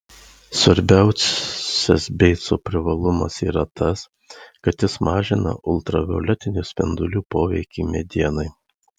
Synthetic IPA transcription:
sʋɐɾʲbʲæˑʊssʲɛsbʲɛɪt̪soːpʲɾʲɪʋɐlˠʊmɐ̰siːɾɐt̪ɐs | kɐt̪jɪsmɑːʒʲɪnɐ̰ʔʊlˠt̪ɾɐʋʲɛolʲɛt̪ʲɪnʲusʲpʲɛ̰nd̪ʊlʲuːpoːʋʲɛɪkʲimʲɛd̪ʲiɛnɐɪ

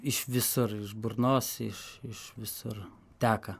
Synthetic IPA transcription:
ɪʃʋʲɪsʊrɪʃbʊrnoːsɪʃɪʃʋʲɪsʊr | t̪ʲæːkɐ

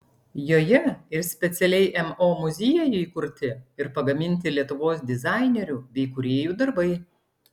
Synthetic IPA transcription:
joːjɛɪɾsʲpʲɛt̪sʲɛlʲɛɪʔɛmoːmʊzʲeːjɛjʊiːkʊɾʲt̪ʲɪɪɾpɐɡɐmʲɪnʲt̪ʲɪlʲiɛt̪ʊʋoːsd̪ʲɪzɑˑɪnʲɛɾʲuːbʲɛɪkʊɾʲeːjuːd̪ɐɾbɐɪ

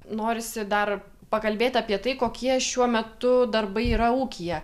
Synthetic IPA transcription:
noːɾʲɪsʲɪd̪ɐr | pɐkɐlʲbʲeːt̪ʲɐːpʲiɛt̪ɐɪkoːkʲiɛʃʲuɔmʲɛt̪ʊd̪ɐrbɐɪiːɾɐuːkʲijɛ

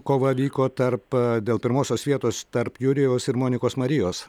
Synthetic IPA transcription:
koːʋɐʋʲiːkoːt̪ɐɾpd̪ʲeːlˠpʲɪɾmoːsʲoːsʋʲiɛt̪oːst̪ɐɾpjʊɾʲɪjoːsɪɾmoːnʲɪkoːsmɐɾʲɪjoːs

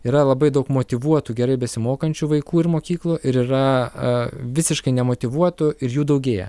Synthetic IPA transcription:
iːɾɐlˠɐbɐɪd̪ɐʊkmoːt̪ʲɪʋuɔt̪uɡʲɛɾɐɪbʲɛsʲɪmoːkɐnʲt͡ʃʲuʋɐɪkuːɪɾmoːkʲiːklˠʊʔɪɾiːɾɐ | ʋʲɪsʲɪʃkɐɪnʲɛmoːt̪ʲɪʋuɔt̪ʊɪɾjuːd̪ɐʊɡʲeːjɛ̰

